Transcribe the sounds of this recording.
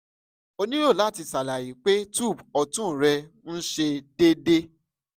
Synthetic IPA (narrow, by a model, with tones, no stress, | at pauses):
o˧nĩ˦ɾo˦˨la˨˦˨ti˧sa˨la˨ji˨˦k͡pe˦tu˦˨bɔ˧tũ˦˨ɾɛ˧ | n̩˦ʃe˧d̥e˦de˦